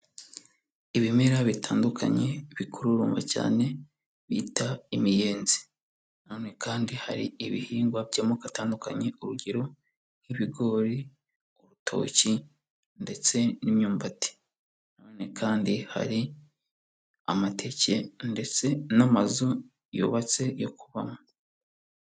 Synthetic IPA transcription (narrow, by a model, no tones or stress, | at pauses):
iβime̞ɾaβitʰaːndukʰa̰ɲe̞βikʰuɾuɾuːmva̰ca̰ːne̞ | βitaimije̞ːnzi̥ | noːne̞kaːndihaɾiiβihiːŋɡwaβɟamokataːndukaɲe̞oɾuɟeɾo̞ | niβiɡo̞ɾi | oɾutʰo̞̰ːci | nde̞t͡se̞nimɲuːmbati̥ | none̞kʰaːndiha̰ɾi | a̰matʰe̞ce̞nde̞t͡se̞namazu | jṵːβat͡se̞jo̞kuβamu